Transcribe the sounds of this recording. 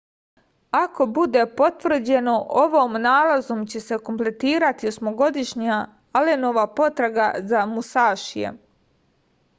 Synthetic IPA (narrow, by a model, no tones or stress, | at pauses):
ako̞bud̪e̞po̞t̪ʋr̩d͡ʑe̞no̞ʔoʋoːmnaːlazomt͡ɕe̞se̞ko̞mple̞t̪iːɾat̪io̞smo̞ɡo̞d̪iʃɲa | aleno̞ʋapo̞t̪ɾaɡazamusaːʃijḛ